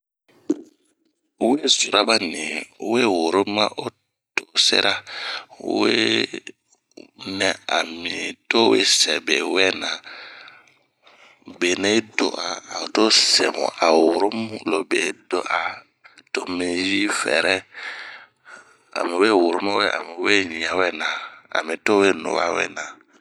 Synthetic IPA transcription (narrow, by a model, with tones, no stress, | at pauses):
we˦su˨ɾa˦ba˦ni˨˦we˦wo˨ɾo˦ma̰˦ʔo˦ | to˨sɛ̰˦ɾʔa̰˦ | we˦ | nɛ̃˨a˨mĩ˨to˦we˦sɛ˨be˨wɛ˦na˨ | be˨nẽ˦i˦do̰˨ʔa˨o˨to˦sɛ̰˨mṵ̃˨a˨wuu˨ɾo˦mũ˦lo˨be˨do˦ʔa˨ | to˨mĩ˨ji˦fɛ̰˨ɾɛ˦ | a̰˨mĩ˨we˦˨wu˨ɾu˦mã˦wɛ˦a̰˨mĩ˨we˦ɲĩ˨ã˨wɛ˦nã˨a̰˨mĩ˨to˦we˦nṵ̃˨βa̰˦wɛ̰˦nã˨